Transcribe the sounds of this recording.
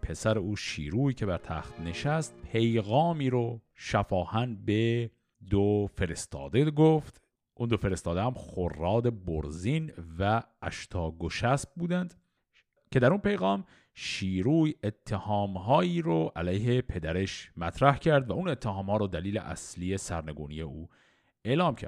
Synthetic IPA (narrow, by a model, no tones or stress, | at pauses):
pʰe̞sæɾeuːʃḭːɾuːjcʰe̞bæɾt̪ʰæ̰ːxt̪ne̞ʃæst̪̚pʰe̞jɣɒːmiːɾoʃæfɒːhænbe | d̪ofe̞ɾe̞st̪ɒ̰ːd̪eɡoft̪ | ʔund̪ofeɾe̞st̪ɒːd̪ehæmχorːɒːd̪e̞boɾzinvæ̰ː | ʃt̪ʰɒːɡoʃæsb̚buːd̪ænd̪ | cʰe̞d̪æɾunpe̞jɣɑːm | ʃiːɾuːje̞t̪ʰːehɒːmhɒːjiːɾoʔælæjɦe̞pʰe̞d̪æɾe̞ʃmæt̪ʰɾæhcʰæɾd̪væune̞t̪ʰːehɒːmhɒːɾod̪æliːlḛʔæ̰slije̞sæɾne̞ɡṵːnḭje̞uː | e̞ʔlɒːmcʰæ̰ɾd̪